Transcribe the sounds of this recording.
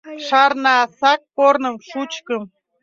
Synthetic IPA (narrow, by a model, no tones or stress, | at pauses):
ʃɑrnɑsɑk̚pornə̆mʃut͡ɕkɤəm